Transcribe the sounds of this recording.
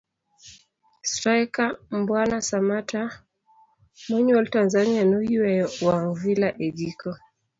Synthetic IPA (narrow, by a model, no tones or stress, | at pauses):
stɾajkambwanasamatʰa | mwɛɲɛltanzanianujiwɛwaŋvilaʔɛʄikɔ